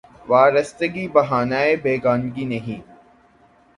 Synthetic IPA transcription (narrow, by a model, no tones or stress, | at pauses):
ʋaːɾəst̪əɡibɐɦaːnaːebeːɡaːnɡinɐɦĩː